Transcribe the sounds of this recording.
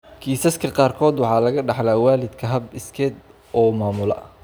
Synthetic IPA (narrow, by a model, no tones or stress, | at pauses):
kʰiːsɐskʰɐqɑːrkʰɔːd̪wɑħɑːlɐɣɐɖɑħlaːwaːlɪd̪kʰɐɦɐbɪskʰɛːd̪ | ʔɔːmaːmʊlɐ̰ɐ